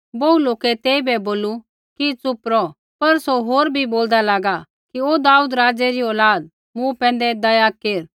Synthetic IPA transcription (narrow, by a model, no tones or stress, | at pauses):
bɐːuloːkɛt̪eːibɛboːlu | kit͡sʊpɾɔ | pɐɾsoɦoːɾbʱiboːld̪alaːɡa | kioːd̪aːuːd̪ɾaːd͡zɛɾiɔːlaːd̪̚ | mũpɛ̃ːn̆d̪ɛd̪ɐjakeːɾ